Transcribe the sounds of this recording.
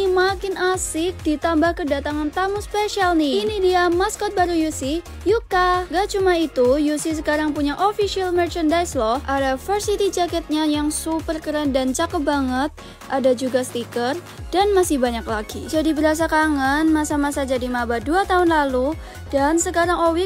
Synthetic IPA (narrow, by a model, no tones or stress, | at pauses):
imakɪnʔasɪk̚dit̪ambahkədat̪aŋant̪amuspeʃialniinidiamaskɔt̪̚baɾujusi | jukaɡat͡ʃumait̪ujusis̬əkaɾaŋpuɲaʔofiʃialmərt͡ʃandajslɔhʔadafərsit̪id͡ʒakɛt̪̚ɲajaŋsupərkəɾandant͡ʃakəbaŋət̪̚ | ʔadad͡ʒuɡast̪ikər | d̥anmasɪhbaɲaklaɡid͡ʒadibəɾas̬akaŋanmasamasad͡ʒadimabaduat̪aɦʊnlalu | d̥ansəkaɾaŋowɪk̚